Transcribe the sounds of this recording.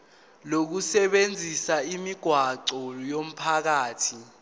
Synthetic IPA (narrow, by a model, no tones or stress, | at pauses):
lok̬usɛɓend͡zʱisaimiɡ̥ʱwaǀɔlɔjom̩pʰak̬aːtʰi